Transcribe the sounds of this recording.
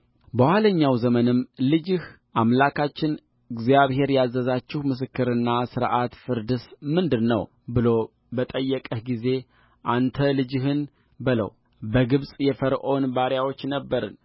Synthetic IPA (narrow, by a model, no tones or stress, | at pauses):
bəwʷaləɲːawzəmənɨmlɨd͡ʒɪh | ʔamlakʰat͡ʃːɪn | ɨɡzijaβɦe̞ɾjazːəzat͡ʃːɪhmɨs̬ɨkːɨɾɨnːasɨɾʔat̪fɨɾd̪ɨsmɨnd̪ɨnːə̰w | bɨlo̞ | bət̪ʼəjːɛkʼəhɡize̞ | ʔant̪ʰəlɨd͡ʒɪɦɨn | bɨlə̰w | bəɡɨβsʼjɛfəɾʔo̞nbaɾjawo̞t͡ʃːnəbːəɾɨ̰n